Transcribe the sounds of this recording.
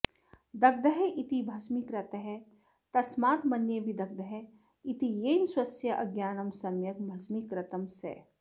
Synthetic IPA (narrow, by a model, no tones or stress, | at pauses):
d̪ɐɡ̚d̪ɐɦeʔit̪ibʱɐsmikɾɐt̪ɐɦɛ | t̪ɐsmaːt̪mɐnjebʱid̪ɐk̚d̪ɐɦe | it̪ijeːnswɐsjɐʔɐɡjaːnɐmsɐmjɐk̚bʱɐsmikɾɐt̪ɐmsɛ̰ː